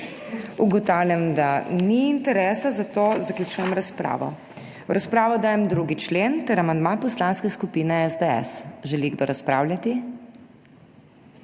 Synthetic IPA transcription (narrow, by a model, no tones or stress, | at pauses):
uɡɔt̪awljamd̪aniːnt̪ɛɾɛsazat̪ozaklʲjut͡ʃuːjɛmɾaspɾa̰ːʋɔ̰ | ɾaspɾaːʋɔd̪aːjɛmd̪ɾuɡit͡ʃlent̪ɛɾamand̪manpɔslanskɛskupinɛɛzd̪ɛɛ̰sʒɛliɡd̪oɾaspɾa̰wlʲjat̪i